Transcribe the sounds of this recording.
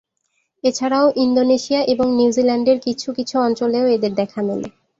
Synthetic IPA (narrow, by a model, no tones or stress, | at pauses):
et͡ɕʰaɾaoʔind̪oneʃiaʔeboŋniuzilaɳɖeɾkit͡ɕʰukit͡ɕʰuɔnt͡ɕoleoed̪eɾd̪ɛkʰanelḛ